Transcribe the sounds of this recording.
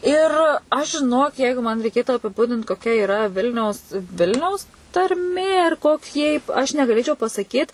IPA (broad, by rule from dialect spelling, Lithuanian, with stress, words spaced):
ˈɪr ˈɐʃ ʒʲɪˈnoːk ˈjɛɪɡʊ mɐn rʲɛɪˈkʲeːtʊ ɐpʲɪˈbʊdʲɪnt koːˈkʲɛ ɪˈrɐ ˈʋʲɪlʲnʲɛʊs ˈʋʲɪlʲnʲɛʊs tɐrʲˈmʲeː ɪr koːˈkʲiɛ iːp ɐʃ nʲɛɡɐˈlʲeːt͡ʃʲɛʊ pɐsɐˈkʲiːt